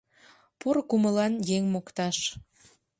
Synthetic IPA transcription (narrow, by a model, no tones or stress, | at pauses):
porkuməlɑnjeŋmokt̪ɑʃ